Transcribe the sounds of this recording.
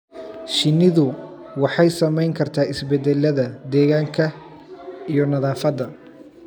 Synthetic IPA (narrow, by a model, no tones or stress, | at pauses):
ʃɪnːɪðʊ | wɑħɑjsɐmɛjŋkʰɐrt̪ʰaːɪsbɛd̪ɛlːɐðɐd̪ɛːɣaːŋkʰɐ | ijɔnɐðaːfɐd̪ɐ